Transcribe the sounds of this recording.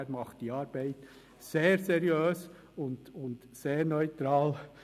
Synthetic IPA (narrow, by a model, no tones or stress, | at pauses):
ɾmɑχtd̥iɑːɾb̥ɛɪt | seːɾsɛɾjøːs | ʊndʊnd | seːɾnœʏt̪ɾɑːl